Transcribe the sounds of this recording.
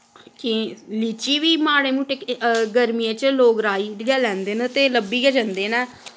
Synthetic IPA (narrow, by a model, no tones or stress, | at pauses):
kɪliːt͡ʃiːʋiːmaːɽeːmuʈekɡəɾmiẽːt͡ʃloːɡɾaːiːɡɛːlːɛ̃ːnd̪eːnet̪eːləbːiːɡəd͡ʒə̃nd̪eːnɛː